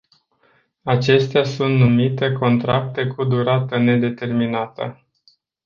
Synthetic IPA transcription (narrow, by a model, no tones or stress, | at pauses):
at͡ʃe̞st̪easunt̪numit̪e̞ko̞nt̪ɾak̚t̪e̞kud̪uɾat̪əne̞d̪e̞t̪e̞rminat̪ə̰